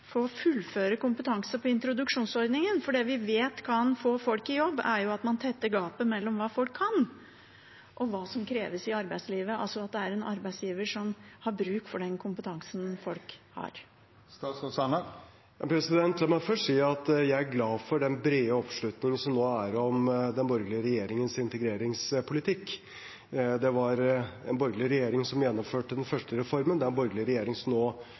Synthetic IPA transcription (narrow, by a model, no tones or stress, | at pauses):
fɔɔfʉlːføːɾəkʊmpət̪ʰɑŋsəpʰɔɪnt̪ɾʊd̪ʉkʂuːnsɔɾd̪nɪŋənfɔɖɛʋɪʋeːt̪kʰɑnfoːfɔlkɪjɔbːæɾjʊɑt̪mɑnt̪ʰɛt̪ːəɡɑːpəmɛlːɔmʋɑːfɔlkʰːɑn | ʔɔʋɑːsɔmkʰɾeːʋəsɪɑɾbæɪsliːʋəɑ̰lsɔɑt̪̚d̪ɛæɾɛnɑɾbæɪsjiːʋəʂɔmhɑɾbɾʉːkfɔɖɛnkʰʊmpət̪ʰɑŋsənfɔlkhɑ̰ɾ | st̪ɑsɔsɑnə | ɑpʰɾɛsɪd̪ɛnt̪ʰlmæɪfœʂʈsiːɑt̪jæɪæɾɡlɑːfɔɖɛnbɾeːəɔpʂɭʉt̪nɪŋənsɔmnoːæɾɔmd̪ɛnbɔɾɡlɪəɾɛjeːɾɪŋənsɪnt̪əɡɾeːɾɪŋsəpʰʊlɪt̪ʰɪkː | d̪ɛʋɑɾɛ̰nbɔɾɡlɪəɾɛjeːɾɪŋsɔmjɛnːɔmføːʈːəd̪ɛnfœʂʈəɾɛfɔɾmənd̪ɛæɾnbɔɾɡlɪəɾɛjeːɾɪŋsɔmnoː